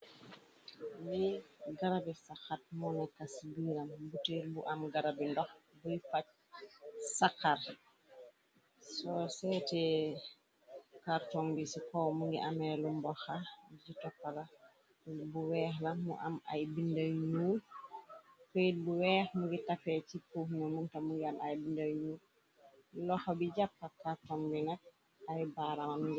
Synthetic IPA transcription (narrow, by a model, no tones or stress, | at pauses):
liɡaɾabisaxat̚mɔnɛkːasbiɾambutelbuʔamɡaɾabindɔxbufac̚ | sakːaɾ | sɔsɛtɛ | kaɾtɔŋbisikɔmuŋɡḭʔamɛlumbɔxabid͡ʒitɔpːala | buwɛːhlamṵʔama̰jbindaɲuːl | kɔjibuwɛːhmuŋɡitafɛt͡ʃipːufnɔmuŋtamuŋɡiamajbindaɲuːl | lɔxabid͡ʒapːakaɾtɔŋbinak̚ | ajbaɾamanɡi